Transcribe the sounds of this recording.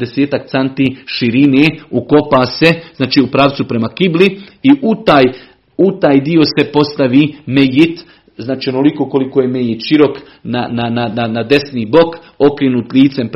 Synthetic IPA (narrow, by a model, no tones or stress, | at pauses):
d̪eseːt̪akt̪sant̪iːʃiɾineːuko̞paːse̞znaːt͡ʃiːupɾaːʋ̪supɾe̞makibliiʔut̪aːj | ut̪aːjd̪io̞se̞po̞st̪aʋimejit̪ | znaːt͡ʃionolikoko̞likoːjemejit̪ʃiɾo̞k | nananananad̪e̞sniːbo̞k | o̞kɾenuːt̪lʲiːt̪semp